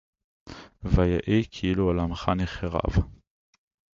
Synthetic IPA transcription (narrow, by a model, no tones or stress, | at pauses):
vajaʔikʰiilualamχaniχeʁa̰v